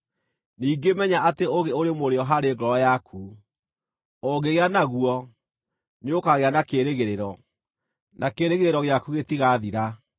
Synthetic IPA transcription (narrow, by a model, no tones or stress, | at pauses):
niːɡemɛɲaʔateoɣeoɾemoɾeɔɦaɾeɡɔɾɔjakʰu | oɣeɣeanaɣwɔ | ɲokaɣeanakeɾeɣeɾeɾɔ | nʔakeːɾeɣeɾeɾɔɣeakuɣetiɣaðiɾa